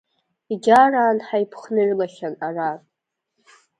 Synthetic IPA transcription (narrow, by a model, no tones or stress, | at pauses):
iɡʲaraːnħajpʰχnɨrlaʃanarar